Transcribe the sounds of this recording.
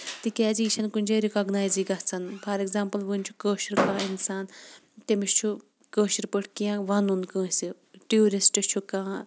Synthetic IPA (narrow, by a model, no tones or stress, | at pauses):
t̪ikɛːziːʃɐnkunʲd͡ʒeːɾikɐːɡnaːjziːɡɐt͡sʰɐnpʰɐɾeɡzaːmpɐlʋɨnʲt͡ʃʰu̥kəːʃɐɾkãːinsaːn | t̪emiʃt͡ʃʰu | kəːʃɐɾpəʈʰkijãːʋɐnunkə̃ːsi | ʈiuːɾisʈɨt͡ʃʰukãː